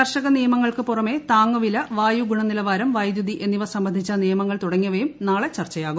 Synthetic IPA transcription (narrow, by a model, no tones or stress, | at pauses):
ɐrʂɐɣɐnijɐmɐŋːɐɭkɨpurɐme̞t̪aːŋːɐʋilɐʋaːjuɡuɳɐnilɐʋaːɾɐmʋɐjd̪jud̪iʔe̞nːiʋɐsɐmbɐnd̪ʱit͡ɕːɐnijɐmɐŋːɐɭt̪uɽɐŋːiɐʋejumnaːɭet͡ɕɐrt͡ɕɐjaːɣum